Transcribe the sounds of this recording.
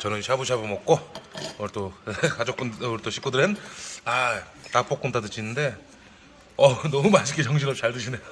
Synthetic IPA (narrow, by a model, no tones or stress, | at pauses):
t͡ɕʌnɯnɕʰabuɕʰabɯmʌk̚k͈o | t͈okad͡ʑok͈unɾt͈oɕʰi̥k͈udɯɾɦena | tap͈ok͈unt͈ʰatɯt͡ɕʰinɯnde̞ | ʌnʌumaɕʰik͈it͡ɕʰʌŋɕ̬ʰiɾʌp̚t͡ɕaɭdɯɕʰine